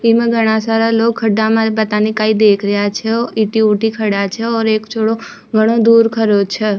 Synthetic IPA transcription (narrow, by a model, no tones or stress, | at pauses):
imãɡʱəɽ̃ãsaɾalokʰːəɖamãpət̪anikaid̪ekʰɾəjat͡ʃʰeɔʔiʈiuʈikʰəɽat͡ʃʰeɔɾekt͡ʃʰoɽo | ɡʱəɽ̃õd̪uɾkʰəɾot͡ʃʰe